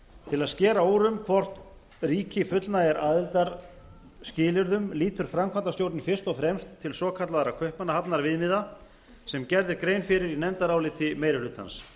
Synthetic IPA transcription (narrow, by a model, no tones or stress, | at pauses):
t̪ʰɪlaðscɛːɾaoːwɾʏmkʰvɔr̥t̪ | riːcɪfʏt̪lnaɛɾʔaːðɪlt̪aɾ | scɪːlɪɾðʏmliːt̪ʏɾ̥fɾamkʰant̪ast̪jowɾt̪nɪfɪr̥st̪ɔɣfɾɛmst̪ʰːɪlsɔːkʰat̪laðɾakʰœhpmanːahapnaɾvɪðmɪða | sɛmcɛɾðɪɾkɾeːjnfɪɾɪɾinɛnt̪aɾaːwlɪːt̪ʰɪmeːjɾɪhlʏːt̪ha̰ns